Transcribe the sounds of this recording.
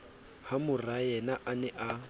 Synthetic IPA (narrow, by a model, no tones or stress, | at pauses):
hamʊrajɛnaʔanɛʔa